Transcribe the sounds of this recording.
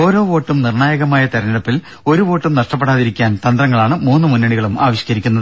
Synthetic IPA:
o̞ːɾo̞ːʋo̞ːʈːumnirɳaːjɐɣɐmaːjɐt̪ɐɾɐniɽɐpːil | o̞ɾuʋo̞ːʈːumnɐʂʈɐp̬ːe̞ɽaːðiɾikʲːaːnt̪ɐnd̪rɐŋːɐɭaːɳɨmuːnːɨmunːɐɽiɣɐɭuma̰ːʋiɕikɐɾikʲːunːɐðɨ

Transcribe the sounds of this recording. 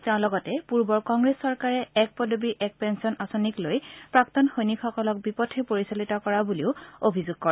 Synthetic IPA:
tãʊ̃lɔɡɔtɛpuɹbɔɹkɔŋɡɹesːɔɹkaɹɛɛk̚pɔdobiʔɛk̚pɛnsɔnʔasoniklojpɹaktɔnxojnikxɔkɔlɔk̚bipɔtʰɛpoɹisalitɔkɔɹabuliʊobʱizuɡ̚kɔɹɛ

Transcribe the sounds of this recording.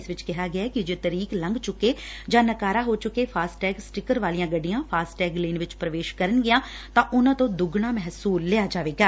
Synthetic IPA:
ɪsʋɪt͡ʃkɪɦaːɡɪaːkɪd͡ʒeːt̪əɾiːklə̃ŋɡt͡ʃʊkeːd͡ʒãːnəkaːɾaːɦoːt͡ʃʊkeːpʰaːsʈɛːɡsʈɪkəɾʋaːlijãːɡəɖːɪjãːpʰaːsʈɛːɡleːnʋɪt͡ʃpɾəʋeːʃkəɾənɡɪjãː | t̪ãːʔʊnãːt̪õːd̪ʊɡɳaːmɛɦsuːlːɪaːd͡ʒaːʋeːɡaː

